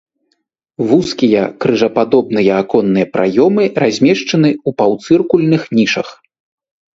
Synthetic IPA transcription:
vuskʲijɐkɾɨʐɐpad̪ɔb̚nɨjɐːkɔnːɨjɐpɾʔa̰jɔmɨrazʲmʲɛʂt͡ʂɐnɨupawt̪sɨrkulʲnɨxnʲiʂɐx

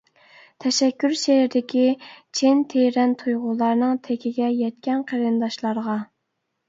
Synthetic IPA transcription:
t̪ʰɛʃɛkʲːyɾʃeɪd̪ɪkʲit͡ʃʰent̪ʰeɾɛnt̪ʰujʁʊlˠɑɾnɨŋt̪ʰekʲʰiɡʲɛjɛt̪̚kʲɛnqʰeɾɨnd̪ɑʃlˠɑɾʁɑ

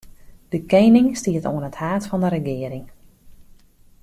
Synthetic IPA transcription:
d̥əkejnɪŋstiətoənəthaːtfɑndəɾəɡɪəɾɪŋ

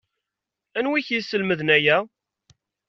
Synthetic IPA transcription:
ænwiçisːəlməðnæjæ

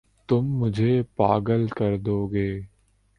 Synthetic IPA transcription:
t̪ʊmːʊd͡ʒʱeːpa̰ːɡəlkəɾd̪oːɡeː

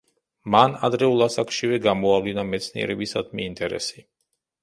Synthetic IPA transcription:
manad̪ɾɛulˠasakʃivɛɡamɔavlinamɛt̪sʰnḭɛ̰ɾɛbisad̪miːnt̪ʼɛɾɛ̰si̥

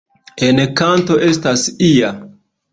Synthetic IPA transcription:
enkanto̞ʔe̞stasia

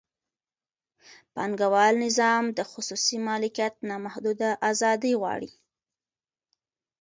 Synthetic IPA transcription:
pɑŋɡawɑlnɪzɑmd̪əxʊsusimɑlɪkijat̪̚nɑmahd̪ud̪aʔazɑd̪əjɣwɑ̰ɽḭ

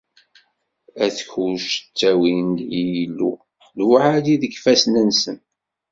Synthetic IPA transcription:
æθəçuʃt͡sːæwind̪jijilːṵ | lwaʕaliðəɡfæsnənsən

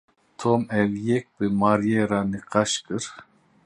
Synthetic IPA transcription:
t̪ʰomɛvjɛk̚bɨmaɾjeɾanɨqʰɑʃkɯɾ

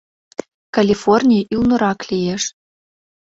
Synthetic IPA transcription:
kalʲifornʲiʔylnŏɾɑklijeʃ

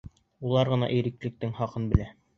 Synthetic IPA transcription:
ulˠɑɾʁɤ̆nɑ̰ʔijɾɘ̆klɘ̆k̚t̪ɘŋχɑqɤnbɘ̆læ

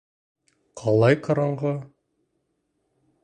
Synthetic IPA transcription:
qʰɑlˠɑjqɑ̆ɾɑɴʁɤ

